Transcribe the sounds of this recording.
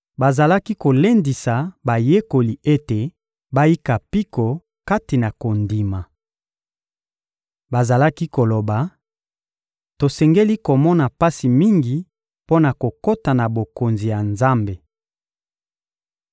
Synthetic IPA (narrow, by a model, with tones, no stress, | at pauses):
ba˨za˨la˦ki˦ko˨le˦ndi˨sa˨ba˨je˦ko˨li˨ʔe˦te˨ | ba˦ji˦ka˨pi˦ko˨ | ka˦ti˨na˨ko˨ndi˨ma˨ | ba˨za˨la˦ki˦ko˨lo˨ba˨ | to˨sɛ˨ŋɡe˦li˦ko˨mɔ˦na˨pa˦si˨mi˦ŋɡi˨ | po˦na˨ko˨ko˦ta˨na˨bo˨ko˨nzi˨ja˨nza˦mbe˨